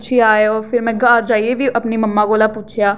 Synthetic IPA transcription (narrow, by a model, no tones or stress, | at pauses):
ʃʰeaːeɔːɾfʰɪɾmɛ̃ːɡaːɾd͡ʒaːiebʱiʔɐpnimɐmːaɡolapuːt͡ʃʰjaː